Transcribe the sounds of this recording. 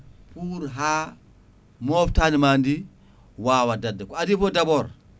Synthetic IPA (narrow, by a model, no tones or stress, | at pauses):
puɾɦa | moftanimandi | wawadadakadifodaboɾ